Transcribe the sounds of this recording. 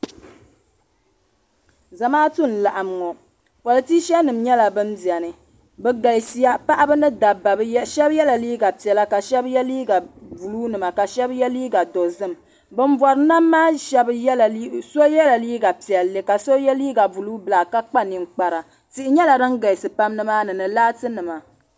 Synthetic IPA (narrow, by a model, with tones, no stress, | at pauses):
za˨maː˦tu˦n̩˨la˨ʔa˨m˨ŋɔ˨ | kɔ˨lɨ˨ti˦ʃɛ˦nɨ˨m˦ɲɛ˦la˨bɨ˦n˦bi˨ɛ˨nɨ˨ | bɛ˨ɡa˨si˨˦ja˦pa˦ʔa˦bɨ˦nɨ˦da˨ba˨bʃɛ˦bjɛ˦la˨liː˦ɡa˨pi˨ɛ˨la˦ka˨ʃɛ˦bjliː˦ɡa˨vu˨luː˦nɨ˨ma˨ka˨ʃɛ˦bjɛ˦liː˦ɡa˨do˨zɨ˦m | bɨ˦m˦vɔ˨ɾɨ˨˦na˦mːaː˦ʃɛ˦bso˦jɛ˦la˨liː˦ɡa˨pi˨ɛ˨lːɨ˨ka˨so˦jɛ˦liː˦ɡa˨vu˨lu˦bɨ˨la˨ka˦k͡pa˦ni˨ŋk͡pa˨ɾa˨ | ti˨ʔɪ˨ɲɛ˦la˨dɨ˦ŋ˦ɡa˨i˨sɨ˨pa˦mnɨ˦maː˦nɨ˨nɨ˨laː˦tɨ˦nɨ˨ma˨